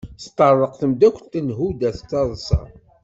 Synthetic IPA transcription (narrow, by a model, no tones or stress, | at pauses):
st̪ˤːɑrˤːəqθəmd̪ækʷt̪ənɦud̪æθt͡sːɑðˤsɑ̰